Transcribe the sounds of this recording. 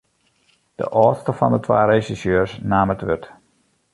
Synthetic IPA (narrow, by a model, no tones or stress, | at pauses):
d̥ə̰ʔɔːtstəfɔ̰ndətʰʋa̰ːɾesisjøːɹsnaːmətʋøt